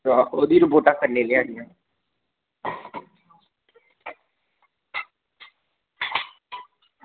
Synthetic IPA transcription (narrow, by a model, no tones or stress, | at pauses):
aoːd̪iːɾəpoːʈaːkəɾneleːaːd̪ɪjãː